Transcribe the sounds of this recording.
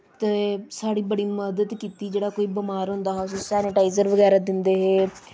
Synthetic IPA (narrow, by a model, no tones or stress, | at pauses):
t̪eːsaːɽiːbəɽiːməd̪əd̪kiːt̪iːd͡ʒeːɽaːkoːiːbəmaːɾɦʊ̃nd̪aːɦɛssɛːnɪʈaːizəɾʋəɡɛːɾaːd̪ɪnd̪eːɦeː